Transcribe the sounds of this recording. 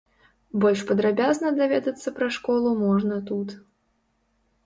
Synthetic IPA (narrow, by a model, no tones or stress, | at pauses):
bɔlʲʂpɐd̪ɾabʲaznɐd̪avʲɛd̪ɐt̪sːɐpɾaʂkɔlˠumɔʐnɐt̪ut̪